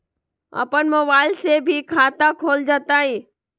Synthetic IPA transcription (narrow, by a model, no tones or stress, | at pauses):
ə̰pənmoʋaːlsebʱikʰaːt̪akʰoːld͡ʒat̪aːɦĩː